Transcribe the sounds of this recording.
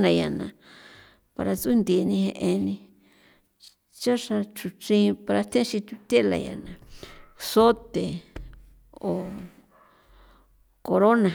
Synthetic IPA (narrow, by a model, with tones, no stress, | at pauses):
nã˧ja˨nã˨ | pa̰˧ɾa˧t͡su˦nd̪i˨˧nĩ˧hẽ˧ʔẽ˧nĩ˧ | t͡ʃa˦ʂa˧t͡ʃu˧t͡ʃĩ˧˦˧pa˧ɾa˧t̪ʰẽ˦ʃĩ˧t̪u˧t̪e˦la̰˧ja̰˨nã˨so˦t̪e˨ | o˨ | ko˧ɾo˦nã˨